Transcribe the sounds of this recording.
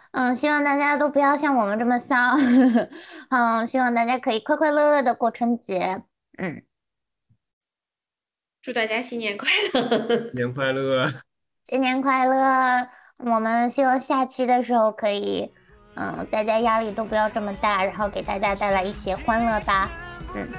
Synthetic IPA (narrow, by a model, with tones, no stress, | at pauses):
ɕi˥wɑ˥˧ŋt̪a˥˩t͡ɕja˥t̪o˥ʊpu˧˥jɑ˥˧ʊɕjɑ˥˩ŋwɔ˨˩mə˦nʈ͡ʂɤ˥˩mə˩sɑ˥ | ə˥˧ɕi˥wɑ˥˧ŋt̪a˥˩t͡ɕja˥kʰɤ˧˥i˨˩kʰwa˥˧kʰwa˥˧ɪlɤ˥˧ld̪ə˩kwɔ˥˩ʈ͡ʂʰɤ˧˥ŋt͡ɕjɛ˧˥ | n̩˥˩ | ʈ͡ʂu˥˧t̪a˥˧˩t͡ɕja˥ɕi˥njɛ˧˥nkʰwa˥˩ɪlə˩nɛ˧˥nkʰwa˥ɪlɤ˥˩ | ɕi˥njɛ˧˥nkʰwa˥˩ɪlə˩ | wɔ˨˩mə˦nɕi˥wɑ˥˧ŋɕja˥˩t͡ɕʰi˥d̪ə˨ʂɻ̩˧˥xo˥˧ʊkʰɤ˧˥ḭ˨˩ | ə̰˧t̪a˥˩t͡ɕja˥ja˥li˥˩t̪o˥ʊpu˧˥jɑ˥˧ʊʈ͡ʂɤ˥˩mə˩t̪a˥˩ɻa˧˥nxo˥˩ʊke˨˩ɪt̪a˥˩t͡ɕja˥t̪a˥˩ɪla˧˥ɪi˥˩ɕjɛ˥xwa˥nlɤ˥˩t̪a˥n̩˥˩